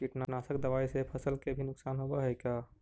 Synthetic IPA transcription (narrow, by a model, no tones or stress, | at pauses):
t͡ʃiʈnanasəkd̪əbaːisepʰəsəlkebʱinʊksaːnɦobaɦɛkja